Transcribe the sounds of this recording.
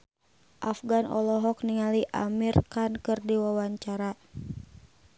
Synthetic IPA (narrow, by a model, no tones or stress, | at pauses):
ʔafɡanʔɔ̰lɔɦɔkniŋaliʔa̰mirkankɨrdiwawaɲt͡ʃaɾa